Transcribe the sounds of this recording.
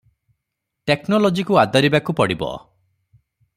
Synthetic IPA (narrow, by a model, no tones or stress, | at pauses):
ʈeknɔlɔd͡ʒikuad̪ʱɔɾibakupɔɽibɔ̰